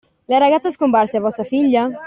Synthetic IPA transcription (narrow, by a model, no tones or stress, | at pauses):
laɾaɣat̪saskombaɾseavɔsafiʎa